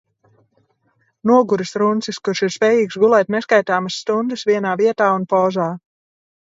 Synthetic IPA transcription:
nuɔɡuɾɨsɾunt̪siskuɾʃiɾspʲɛːjiːksɡulˠɛːt̪nɛskajt̪aːmɨsːt̪und̪ɨsviɛnaːviɛt̪aːunpɔːzaː

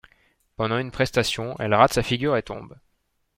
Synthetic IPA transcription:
pɑ̃d̪ɑ̃ynpχɛst̪asjɔ̃ʔɛ̰lʁat̪safiɡʲyʁet̪ɔ̰̃b

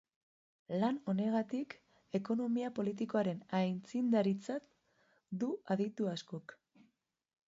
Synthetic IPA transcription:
lano̞ne̞ɣ̞at̪ik | e̞ko̞no̞miapo̞lit̪̬iko̞aɾe̞najnt͡sind̪aɾit͡sat̪ | d̪uaðit̪uaskok

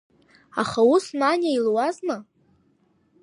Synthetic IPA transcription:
aχausnanʲailwazna

